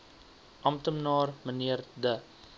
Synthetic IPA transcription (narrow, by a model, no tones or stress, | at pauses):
ʔɐmtəmnɑːrməniərdə